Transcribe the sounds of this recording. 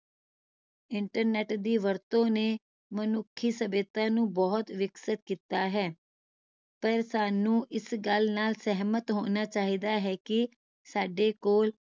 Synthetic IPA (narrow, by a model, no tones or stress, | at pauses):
ɪɳʈəɾnɛʈd̪iːʋəɾt̪õːneː | mənʊkʰːiːsəbeːt̪ãːnũːbɔːt̪ʋɪksət̪kiːt̪aːɦɛː | pəɾsaːnũːʔɪsɡəlnaːlsɛɦmət̪ɦoːnaːt͡ʃaːɦiːd̪aːɦɛːkɪ | saːɖeːkoːl